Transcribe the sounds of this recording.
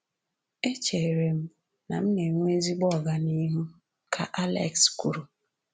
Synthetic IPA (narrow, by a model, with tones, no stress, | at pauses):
e˦t͡ʃe˨ɾe˨m̩˦ | na̰˨m̩˦ne˨ŋʷ˦e˦zi˦ɡ͡bɔ˦˨ɡa˨ni˦ɦu˦ | kʰa̰˨ʔa˦lḛ˨ksku˦˨ɾu˨